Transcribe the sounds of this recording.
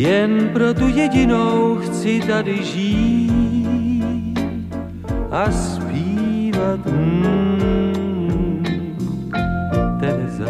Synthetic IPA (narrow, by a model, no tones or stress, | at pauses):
jɛnpɾot̪ujɛɟɪnowxt͡sɪt̪adɪʒiː | t̪ | ʔaspiːvat̪̩ | t̪ɛza̰